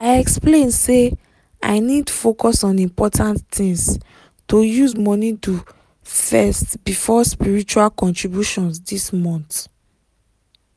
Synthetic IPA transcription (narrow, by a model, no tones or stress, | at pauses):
aɪɛksplẽnse | a̰ɪnid̚tufokɔsɔ̃nĩmpɔtʰãnttĩŋs | tojuzmɔnidu | fɛstbifɔspiɹit͡ʃualkɔ̃ntɹibjuʃɔ̃nsdismɔ̃nt